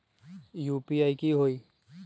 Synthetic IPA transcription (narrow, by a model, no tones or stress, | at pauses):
juːpiaːikiɦoːiː